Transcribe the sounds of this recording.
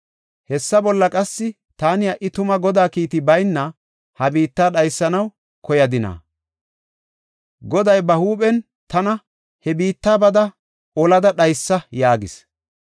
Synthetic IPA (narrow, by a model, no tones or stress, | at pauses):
hɛsːɐbɔlːɐkʼɐsːɪ | t̪aːnɪjɐʔːɪt̪ʊmɐɡɔd̪aːkiːt̪ɪbɐjnːɐ | hɐbiːt̪ːaːɗɐjsːɐnɐw | kɔjɐd̪ɪnɐ̰ | ɡɔd̪ɐjbɐhuːpʼɛn | t̪ɐnɐ | hɛbiːt̪ːaːbɐd̪ɐ | ʔɔlɐd̪ɐɗɐjsːɐjaːɡɪs